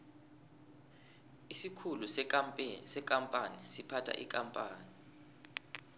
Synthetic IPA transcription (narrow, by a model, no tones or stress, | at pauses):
isikʰulusʼ | sɛkʼampʼanisipʰatʰa̰ʔḭkʼampʼaːni